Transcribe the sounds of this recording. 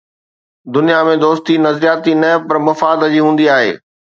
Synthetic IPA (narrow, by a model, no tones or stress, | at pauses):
d̪ʊnijamẽd̪oːst̪inɐzɾijaːt̪inɐpɐɾmɐfaːd̪d͡ʑiːɦũːn̆d̪iaːɦḛː